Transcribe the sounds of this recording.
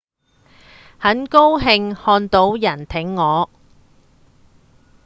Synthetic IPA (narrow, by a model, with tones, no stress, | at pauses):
hɐ˨˥nko˥wɦɪ˧ŋhɔː˧nt̪o˨˥wjɐ˨˩nt̪ʰɪ˨˥ŋːɔː˨˧